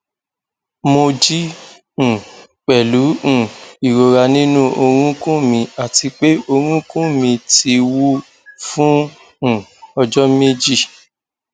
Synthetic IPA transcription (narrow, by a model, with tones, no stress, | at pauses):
mo˧d͡ʒĩ˦˨ | k͡pɛ˨lũ˨˦˨i˨ɾo˨ɾa˧nĩ˦nũ˦ʔo˧ɾ̃ũ˦kũ˦mĩ˧a˨ti˧k͡pe˦o˧ɾ̃ũ˦kũ˦mĩ˧ti˧wu˦ | fũ˦˨ | ɔ˧d͡ʒɔ˦me˦d͡ʒi˦˨